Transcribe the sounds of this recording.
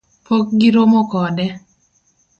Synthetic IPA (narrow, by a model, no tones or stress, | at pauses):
pok̚ɡiɾomokɔdɛ